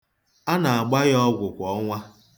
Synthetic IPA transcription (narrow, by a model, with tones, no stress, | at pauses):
a˦na˨a˨ɡ͡ba˦ɣɔ˦ɡʷʊ˨kʷɔ˦ŋʷa˦